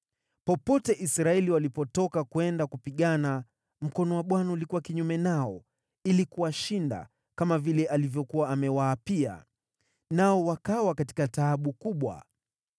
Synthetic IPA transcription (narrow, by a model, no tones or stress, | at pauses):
pɔpɔtɛʔisɾaɛliwalipɔtɔkakuɛndakupiɠana | m̩kɔnɔwaɓwanaulikuwakiɲumɛnaɔ | ilikuwaʃinda̰ | kamavilɛʔalivjɔkuwaːmɛwaːpia̰ | naɔwakawakati̥kataːɓukuɓwa̰